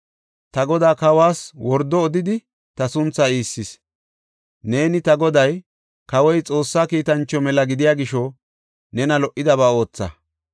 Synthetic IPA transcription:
t̪ɐɡɔd̪aːkɐwaːswɔɾd̪ːɔːd̪ɪd̪ɪ | t̪ɐsʊnt͡sːaiːsːɪs | ne̞ːnɪt̪ɐɡɔd̪ɐj | kɐwɔjt͡sʼo̞ːsːaːkiːt̪ɐnt͡ʃːɔmɛlɐɡɪd̪ɪjaːɡɪʃɔ | nɛnɐlɔʔːɪd̪ɐβaːo̞ːt͡sːɐ̰

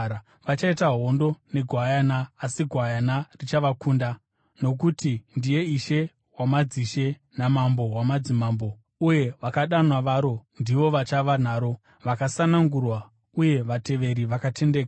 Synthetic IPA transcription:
ʋat͡ʃaitaɦo̞ndo̞ne̞ɡʱwajanaːsiɡʱwajanarit͡ʃaʋakuːnda | no̞k̬utindije̞iʃe̞ | wamad͡ziʃe̞ | namambo̞ɦwamad͡zimaːmbo̞ | uje̞ʋakaɗanwaʋaɾo̞ndiʋo̞ʋat͡ʃaʋan̤aːɾo̞ | ʋakasanaŋɡurwa | uje̞ʋate̞ʋe̞ɾiʋakatʰe̞ndeːka

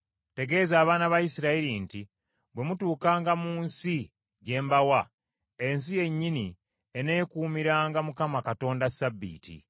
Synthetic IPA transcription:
te̞ɡe̞ːzaːβaːnaβajisiɾaiɾinti | bwe̞mutuːkaːŋɡamuːnsi | ɟe̞ːmbawa | e̞ns̬ije̞ɲːini | ene̞ːkuːmiɾaːŋɡamukamakato̞ːndasabːḭːtḭ

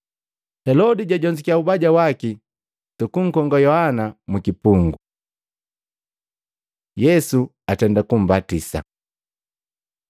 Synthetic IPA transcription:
hɛlɔdiɟaɟɔɲd͡ʒikiaubaɟawaki | tukuŋ̩kɔŋɡajɔhanamukipuŋɡu | jɛsu | atɛndakum̩batisa̰

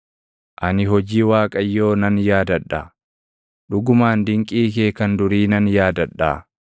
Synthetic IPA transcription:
ʔɐnɪɦɔd͡ʒiːwaːkʼɐjːo̞ːnɐnjaːd̪ɐᶑːaː | ᶑʊɡʊmaːnd̪ɪŋkʼiːk̬eːkɐnd̪ʊɾiːnɐnjaːd̪ɐɗːa̰ː

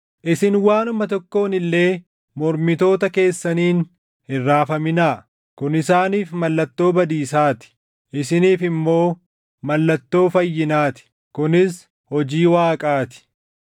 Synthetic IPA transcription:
ʔɪsɪnwaːnʊmɐt̪ɔkːo̞ːnɪlːe̞ː | mɔɾmɪt̪o̞ːt̪ɐke̞ːsːɐniːn | hɪrːaːfɐmɪnaː | kʊnɪsaːniːfmɐlːɐt̪ːo̞ːbɐd̪iːsaːt̪ɪ̥ | ʔɪsɪniːfɪmːo̞ː | mɐlːɐt̪ːo̞ːfɐjːɪnaːt̪ɪ̥ | kʊnɪs | hɔd͡ʒiːwaːkʼaːt̪ɪ̥

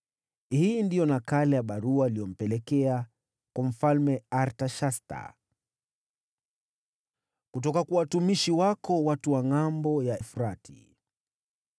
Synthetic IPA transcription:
hiːndijɔnakalɛjaɓaɾuailijɔm̩pɛlɛkɛa | kwam̩falmɛaɾtaʃasta̰ | kutɔkakuwatumiʃiwakɔwatuwaŋambɔjaɛfuɾatʰi̥̰

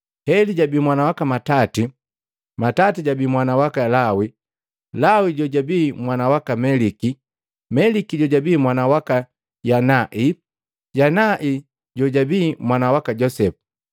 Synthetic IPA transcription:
hɛliɟabiːmwanawakamatati | matatiɟabiːmwanawakalawi | lawiɟɔɟabimwanawakamɛliki | mɛlikiɟɔɟabiːmwanawaka | janaʔi | ɟanaʔi | ɟɔɟabiːmwanawakaɟɔsɛpu̥

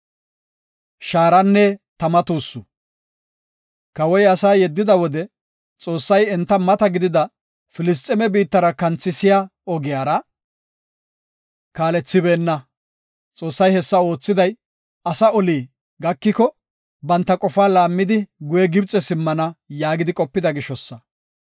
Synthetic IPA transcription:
ʃaːɾɐnːɛt̪ɐmɐt̪uːsːʊ | kɐwɔjɐsaːjɛd̪ːɪd̪ɐwɔd̪ɛ | t͡sʼo̞ːsːɐjɛnt̪ːɐmɐt̪ɐɡɪd̪ɪd̪ɐ | fɪlɪs̬t̪ʼɛmɛbiːt̪ːɐɾɐkɐnt͡sːɪsɪjaɔɡɪjaːɾɐ | kaːlɛt͡sːɪbeːnːɐ | t͡sʼo̞ːsːɐjhɛsːɐo̞ːt͡sːɪd̪ɐj | ɐsɐɔliː | ɡɐkːɪkɔ | bɐnt̪ːɐkʼɔfaːlaːmːɪd̪ɪɡʊjɛɡɪb̚t͡sʼɛsɪmːɐnɐjaːɡɪd̪ɪkʼɔpːɪd̪ɐɡɪʃɔsːɐ

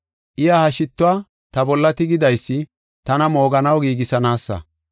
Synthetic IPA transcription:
ʔɪjaːhɐʃɪt̪ːʊaː | t̪ɐbɔlːɐt̪ɪɡɪd̪ɐjsːɪ | t̪ɐnɐmo̞ːɡɐnɐwɡiːɡɪsɐnaːsːɐ̰

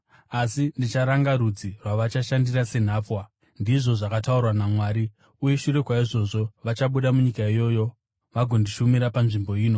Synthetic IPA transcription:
asindit͡ʃaɾaŋɡaɾud͡zirwaʋat͡ʃaʃandirase̞n̤aːp͡fwa | ndiʐo̞ʐakataurwanamwaːɾi | uje̞ʃuɾe̞kwaiʐo̞ʐo̞ʋat͡ʃaɓuɗamuɲikaijo̞jo̞ | ʋaɡʱo̞ndiʃumiɾapanʐimbo̞iːno̞

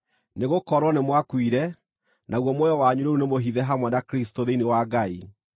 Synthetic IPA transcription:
neɣokɔɾwɔnemwakwiɾɛ | nʔaɣwɔmojɔwaɲuɾeunemoɦiðɛɦamwɛnakɾistoðeinewaɡai

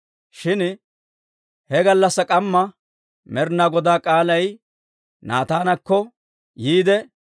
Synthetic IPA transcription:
ʃɪn | hɛɡɐlːɐsːɐkʼɐmːɐ | mɛɾnaɡɔd̪aːkʼaːlɐj | naːt̪aːnɐkːɔ | jiːd̪ɛ

